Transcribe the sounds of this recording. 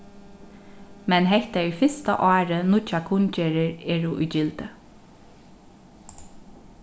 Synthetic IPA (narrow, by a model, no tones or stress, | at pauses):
mɛnɦɛht̪ayːfɪst̪a̰ʔɑːɾənʊt͡ʃakʰʊnceːɾəɹɛːɹuʔʊ̰ːt͡ʃɪlt̪ə